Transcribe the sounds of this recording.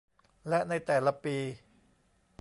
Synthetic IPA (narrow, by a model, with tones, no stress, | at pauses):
lɛ˦˥ʔna˧jt̪ɛː˨˩la˧piː˧